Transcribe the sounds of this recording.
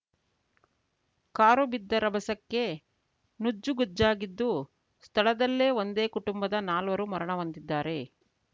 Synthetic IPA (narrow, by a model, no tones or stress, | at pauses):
kaːɾubid̪ːɐɾɐbʱɐsɐkːe̞ | nud͡ʒːuɡud͡ʒːaːɡid̪ːu | st̪ʰɐɭɐd̪ɐlːeːo̞nd̪e̞ːkuʈumbɐd̪ɐnaːlʋɐɾumɐɾɐɳɐʋɐnd̪id̪ːaːɾe̞